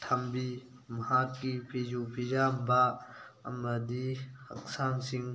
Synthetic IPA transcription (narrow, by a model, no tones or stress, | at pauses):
tʰɐmbi | mɐɦakːipʰizupʰid͡ʒamba | ɐ̰məd̪ihɐ̰ksaŋsiŋ